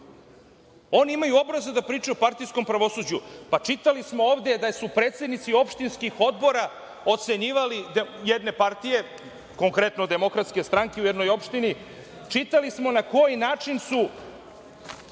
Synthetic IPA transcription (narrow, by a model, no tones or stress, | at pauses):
o̞ːniimajuo̞bɾazud̪apɾiːt͡ʂuopaɾt̪ijsko̞mpɾaʋo̞sud͡ʑupat͡ʂit̪alismo̞oːvd̪e̞d̪asupɾet̪se̞d̪nit̪sio̞pʃt̪inskixo̞d̪bo̞ɾa | o̞t̪se̞ɲiːʋalid̪jed̪ne̞paɾt̪ije̞ | ko̞ŋkɾe̞t̪no̞d̪e̞mo̞kɾat̪ske̞st̪ɾaŋkeujed̪nojo̞pʃt̪ini | t͡ʂit̪alismo̞nako̞jinaːt͡ʂinsu